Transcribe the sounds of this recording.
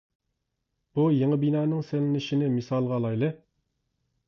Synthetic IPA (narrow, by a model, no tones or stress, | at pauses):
b̥ujeŋəbinɑːnɨŋselɪnɪʃinɪmɨsɑlˠʁɑlˠɑjlˠə